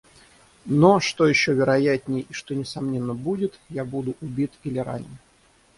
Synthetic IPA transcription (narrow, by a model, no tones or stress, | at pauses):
noʂt̪o̞jɪɕːovʲɪɾɐjæt̪ʲnʲɪjəiʂt̪o̞nʲɪsɐmnʲe̞nːəbudʲɪt̪jabud̪ʊʔʊbʲit̪ilʲɪɾa̰nʲɪ